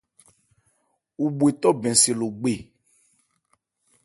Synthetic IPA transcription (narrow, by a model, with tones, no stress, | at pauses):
u˨bu˨e˨t̪ɔ˦bɛ̃˨se˨lo˨ɡ͡be˨